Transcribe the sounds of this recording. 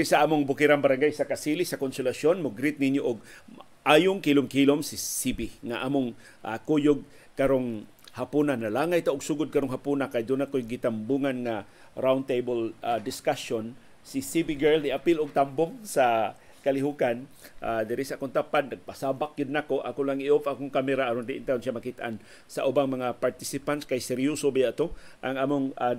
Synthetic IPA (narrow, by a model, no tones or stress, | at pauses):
ɾɪsaʔaːmʊŋbʊkɪɾaŋbaɾaŋɡajsakasilisakonsʊlaʃonmʊɡɾɪt̪̚nɪnjoʔʊɡ̚ | ʔaːjʊŋkilʊmkilomsɪsibɪŋaʔaːmʊŋ | ʔa̰kujʊɡ̚ | kaɾoŋ | hapunanalaːŋajt̪aʔʊɡsuːɡʊd̪̚kaɾoŋɦapunakajd̪ʊnakojɡɪt̪ambuŋanŋa | ɾawnt̪ejbəlad̪ɪskason | sisibiɡɛɹld̪ɪʔapɪlʊɡ̚t̪ambʊŋsa | kalɪɦukanʔad̪ɪɾɪsaʔakʊnt̪apad̪naɡ̚pasabak̚ɡɪd̪̚nakoʔa̰kʊnlaŋʔiʔofakʊŋkamɛɾaʔːɾond̪ɪʔɪnt̪aɾonʃjamakit̪a̰n | saʔʊbaŋmaŋapaɾt̪isɪpant̪skajsɛɾjusobajaʔt̪oʔaŋʔaːmʊŋa